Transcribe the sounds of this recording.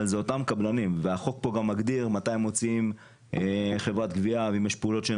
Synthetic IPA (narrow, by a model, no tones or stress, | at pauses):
lzeo̞t̪amkablanimveaχo̞k̚po̞ɡamːaɡd̪iʁmat̪ajimo̞t͡siim | eχe̞vʁat̪ɡviaveimjeʃpeulo̞t̪ʃe